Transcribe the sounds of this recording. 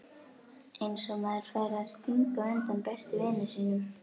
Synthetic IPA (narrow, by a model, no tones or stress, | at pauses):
ejnsɔmaðɪɾ̥fajɾast̪iŋkaʏnt̪ampɛst̪ɪvɪːnʏsiːnʏm